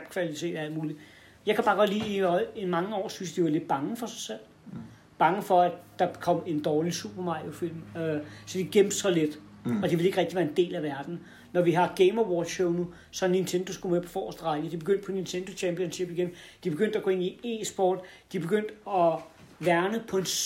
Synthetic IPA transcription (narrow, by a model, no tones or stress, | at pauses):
b̥kʰʋælit͡sʰe̝̰ːd̥æl̰d̥muːli | jɑ̈ɪkʰæb̥ɑ̈ːɡ̥ɒ̽d̥lḭːiɒ̽ɪimɑ̈ŋəɒ̰ːsynsd̥iʋɑ̈le̝d̥̚b̥ɑ̈ŋəfɒ̽säsel̰ | b̥ɑ̈ŋəfɒ̽ædd̥ɑ̥̈kʰɒ̽m̰e̝nd̥ɒːlisṵb̥ɐmɑ̈jo̝fil̰møsɒ̽d̥iɡ̥em̰b̥sɒ̽led̥ɒ̽d̥iʋe̝le̝ɡ̥ʁɛɡ̥̚d̥iʋæːɐe̝nd̥e̝̰ːlæʋæɐd̥n̩ | nɒʋiɦɑ̈ɡ̥eɪmɒwɒ̥ɕoʊnu | sɒ̽nint͡sʰend̥o̝sɡ̥umepʰɒ̽fɒ̰ːsd̥əʁɑ̈ɪɡ̥əd̥ib̥e̝ɡ̥øn̰d̥̚pʰɒnint͡sʰend̥o̝t͡ɕʰɛmpijɒnsɕib̥iɡ̥end̥ib̥e̝ɡ̥øn̰d̥æɡ̥oe̝nie̝̰ːsb̥ɒ̰ːd̥d̥ib̥e̝ɡ̥øn̰d̥ɒ̽ | ʋæɐnəpʰɒ̽e̝n